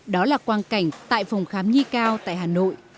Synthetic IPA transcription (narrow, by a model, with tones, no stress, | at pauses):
ɗɔ˨˦laː˨˩kwaː˧nka˧˩jŋ̟t̪a̰ː˧˨jfa˨˩wŋ͡mxaː˨˦mɲi˧kaː˧wt̪a̰ː˧˨jɦaː˨˩no̰˧˨j